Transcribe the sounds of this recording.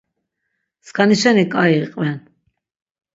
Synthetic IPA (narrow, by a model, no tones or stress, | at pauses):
skʰaniʃɛnikʼaiqʼvɛn